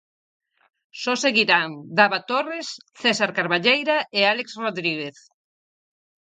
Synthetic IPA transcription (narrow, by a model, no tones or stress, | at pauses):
sɔseɣiɾaŋd̪aβat̪oresθɛsaɾkaɾβaʎejɾaealeksroðɾiɣeθ